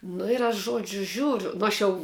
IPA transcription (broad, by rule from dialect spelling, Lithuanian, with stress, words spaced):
ˈnʊ ɪr ɐʃ ˈʒuɔd͡ʒʲʊ ˈʒʲuːrʲʊ ˈnʊ ɐʃ jɛʊ